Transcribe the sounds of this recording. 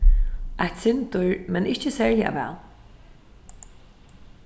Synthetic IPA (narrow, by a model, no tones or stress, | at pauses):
ʔajt̪sɪnt̪ʊɹmɛnɪht͡ʃəsɛːɹlɪa̰ʋɛ̰ːl